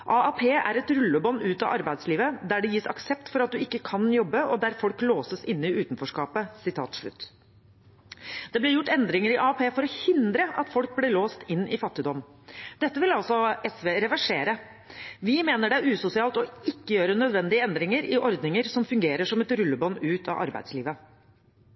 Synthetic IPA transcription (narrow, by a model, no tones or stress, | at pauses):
ʔɑɑpʰeːæ̰ɾɛt̪ɾʉlːəbɔnːʉːt̪ɑ̰ʔɑɾbæɪd̪sliːʋəd̪æɖɛjiːsɑ̰ksɛpt̪fɔɾɑt̪̚d̪ʉɪkːəkʰɑnjɔbːəɔd̪æɾfɔlkloːsəsɪnːəɪʔʉːt̪nfɔʂkɑːpəsɪt̪ʰɑ̰ːt̪ʂɭʉ̰t̪ː | d̪̥ɛblɛɾjʊʈːɛnd̪ɾɪŋəɾɪʔɑɑpʰeːfɔɾɔhɪnd̪ɾəʔɑt̪fɔlk̚blɪloːst̪ɪnːɪfɑt̪ːɪd̪ɔmnd̪̥ɛt̪ːəʋɪlɑlsɔɛsʋeːɾɛʋæʂeːɾə | ʋɪmeːnəɖɛæʉːsʊsɪɑːlt̪ɔɪkːəjøːɾənœd̪ʋɛnd̪ɪəɛnd̪ɾɪŋəɾɪʔɔɾd̪nɪŋəɾsɔmfʉŋɡeːɾəʂɔmɛt̪ɾʉlːəbɔnʉːt̪ʰɑ̰ʔɑ̰ɾbæ̰ɪslḭːʋə